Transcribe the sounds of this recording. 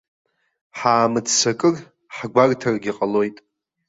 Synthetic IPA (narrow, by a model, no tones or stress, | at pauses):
ħaːmɨt͡ssakʼɨr | ħaɡʷartʰarɡʲiqʼalo̞jtʼ